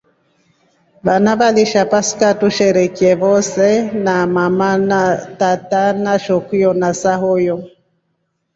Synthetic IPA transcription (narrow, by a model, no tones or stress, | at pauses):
βanaβaliʃapasi̥katuʃɛɾɛkiɛβɔsɛnamamanatatanaʃɔkujɔnasahɔjɔ